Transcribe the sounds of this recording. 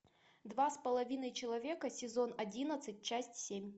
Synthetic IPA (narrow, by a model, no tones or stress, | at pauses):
d̪vaspəlˠɐvʲinəjt͡ɕɪlˠɐvʲe̞kəsʲɪzo̞nɐdʲinət̪sɨtʲt͡ɕæsʲtʲsʲemʲ